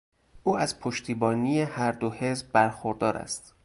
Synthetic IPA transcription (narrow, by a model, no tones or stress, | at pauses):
ʔuːæzpʰoʃt̪ʰiːbɒːniːjehæɾd̪ohe̞zbbæɾxoɾd̪ɒːɾæ̰st̪